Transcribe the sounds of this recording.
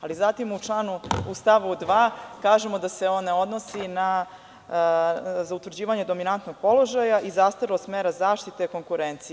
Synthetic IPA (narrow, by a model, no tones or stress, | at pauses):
alizat̪imut͡ʂlˠaːnuust̪aʋud̪ʋaːkaːʒemo̞d̪ase̞onːeo̞d̪no̞sina | zaut̪ʋɾrd͡ʑiːʋaɲe̞d̪o̞minant̪noɡ̥̚po̞lo̞ʒajaʔizast̪aɾlosmeːɾazaːʃt̪it̪eiko̞ŋkuɾent̪si